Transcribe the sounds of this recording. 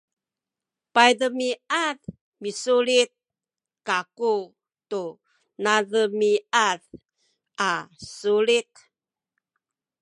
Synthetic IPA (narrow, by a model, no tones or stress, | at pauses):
pajdəmiaθ | misulit̪̚ | kaku | tu | naðəmiað | asulit̪